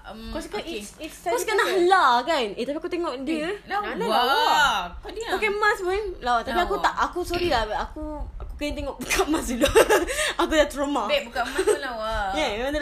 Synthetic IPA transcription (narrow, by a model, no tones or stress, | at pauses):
kɔskaiikɔskanalakanet̪ap̬iakut̪eŋɔʔdiəna | kɔdiokemasmaɛŋlawat̪apiakut̪aʔʔakusoɾilabakuakukait̪̬eŋɔʔbukʰamasiduakudat̪ɾɔmaebukamaaajɛãndə